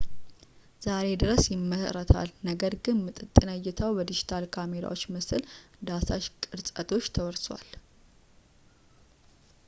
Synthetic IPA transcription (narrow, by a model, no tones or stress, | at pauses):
z̥aɾe̞d̪ɨɾəsjɪmːəsəɾət̪ʰa̰lnəɡəɾɡɨnmɨt̪ʼɨt̪ʼːɨnəjːɪt̪ʰəwbəd̪id͡ʒit̪ʰalkʰame̞ɾa̰wo̞t͡ʃːmɨsɨld̪asaʃkʼɨɾsʼət̪ʼʰo̞t͡ʃːt̪ʰəwəɾswʷa̰l